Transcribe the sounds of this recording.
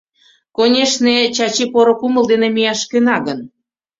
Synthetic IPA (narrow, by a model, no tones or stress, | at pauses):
konʲeʃnet͡ɕɑt͡ɕipoɾokuməld̪enemijɑʃkenɑɣən